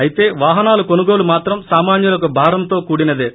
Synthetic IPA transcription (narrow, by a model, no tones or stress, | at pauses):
ɐjit̪e̞ːʋaːɦɐnaːlukonuɡo̞ːlumaːt̪ɾɐmsaːmaːnjulɐk̬ubʱaːɾɐmt̪o̞ːkuːɽinɐd̪e